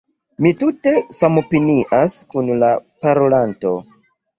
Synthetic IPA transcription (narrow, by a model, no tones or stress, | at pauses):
mitute̞samo̞piniʔaskunlapaɾolanto̞